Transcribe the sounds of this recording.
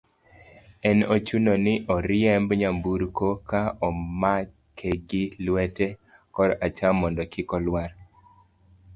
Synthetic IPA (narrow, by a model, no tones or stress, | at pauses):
ɛnot͡ʃunonɪʔɔɾɪjɛmbɲambuɾkokaɔma | kʰeɡɪlwɛtɛ | kɔɾat͡ʃamɔndɔkɪkɔlwaɾ